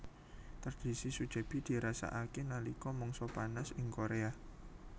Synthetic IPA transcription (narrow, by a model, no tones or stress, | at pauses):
t̪ərd̥i̤sisud̥ʒ̥a̤b̥i̤d̪̥i̤ɾasa̰ʔakenalikɔmɔŋsɔpanasɪŋkoɾea